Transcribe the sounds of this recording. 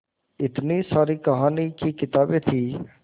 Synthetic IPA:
ɪt̪nisaːɾiːkɐɦaːnikiːkɪt̪aːbet̪ʰiː

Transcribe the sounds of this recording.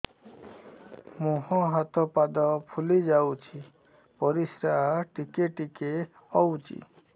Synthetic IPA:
muɦɔ̃ɦat̪ʰɔpad̪ɔpʰulid͡ʒawt͡ʃʰi | pɔɾisɾaaʈikeʈike | ɔwt͡ʃʰḭ

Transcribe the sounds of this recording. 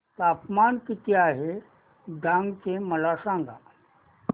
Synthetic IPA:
t̪apmankit̪iaɦe | ɖʱãŋɡt͡seməlasãŋɡa̰

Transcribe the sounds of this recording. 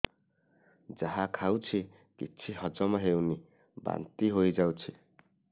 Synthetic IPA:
d͡zaɦãkʰawt͡sʰi | kit͡sʰiɦʌd͡zʌmaɦewni | ba̰nt̪iɦojd͡zawt͡sʰi

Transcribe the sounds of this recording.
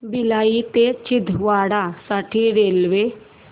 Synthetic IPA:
bɪlaːit̪et͡ʃɪd̪ʱʋaːɽaːsaːʈʰiːɾeːlʋeː

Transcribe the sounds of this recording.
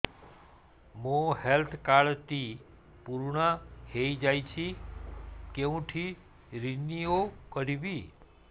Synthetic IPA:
mõhelt̪ʰkaɭt̪i | puɾɳaheid͡ʒajt͡ʃʰi | keũʈʰi | ɾinijokəɾibi

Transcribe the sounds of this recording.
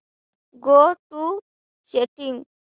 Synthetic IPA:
ɡoʈu | seʈiŋ

